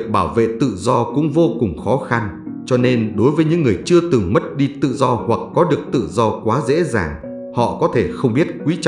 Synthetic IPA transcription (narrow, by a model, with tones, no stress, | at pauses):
k̚ɓaː˧˩wvḛ˧˨t̪ɨ̰˧˨zɔ˧kʊ̰˧˥ŋ͡mvo˧kʊ˨˩ŋ͡mxɔ˨˦xa˧n | t͡ɕɔ˧ne˧nɗo˨˦jvəː˨˦jɲɨ̰˧˥ŋːɨ˨˩əjt͡ɕɨ˧ət̪ɨ˨˩ŋmə˦˥t̚ɗi˧t̪ɨ̰˧˨zɔ˧hwa˨˩k̚ːɔ˨˦ɗɨ˨˩ək̚t̪ɨ̰˧˨zɔ˧kwaː˨˦zḛ˧˥za̰ː˨˩ŋ | hɔ̰˧˨kɔ˨˦t̪ʰe˧˩xə˧wŋ͡mɓi˦˥ət̚k̚wi˨˦t͡ɕ